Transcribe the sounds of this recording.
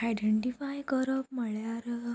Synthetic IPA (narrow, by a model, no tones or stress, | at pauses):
ajɖeɳʈifajkəɾəp̚məɭjaɾ